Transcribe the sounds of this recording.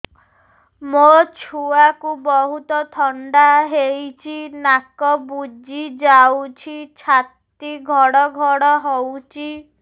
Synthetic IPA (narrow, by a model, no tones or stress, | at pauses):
mot͡ʃʰuakubɔɦut̪ɔt̪ʰɔɳɖaɦejt͡ʃʰinakɔbud͡ʒid͡ʒawt͡ʃʰit͡ʃʰat̪ | iɡʱɔɽɔɡʱɔɽɔɦɔwt͡ʃʰi